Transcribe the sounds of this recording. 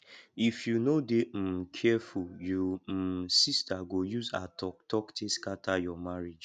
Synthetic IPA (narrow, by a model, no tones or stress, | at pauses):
ifjunodem̩kʰɛfuljum̩sistaɡojuzatʰɔktɔktʰeskatʰajɔmaɾed͡ʒ